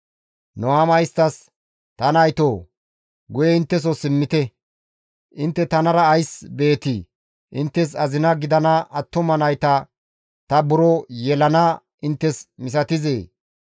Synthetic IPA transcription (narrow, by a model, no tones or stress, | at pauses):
nɔwaːmɐjɪst̪ːɐs | t̪ɐnɐjt̪oː | ɡʊjɛɪnt̪ːɛs̬ɔsɪmːɪt̪ɛ | ʔɪnt̪ːɛt̪ɐnɐɾɐːjsbe̞ːt̪i | ʔɪnt̪ːɛs̬ɐzɪnɐɡɪd̪ɐnɐʔɐt̪ːɔmɐnɐjt̪ɐ | t̪ɐbʊɾɔjɛlɐnɐ | ɪnt̪ːɛsmɪs̬ɐt̪ɪzeː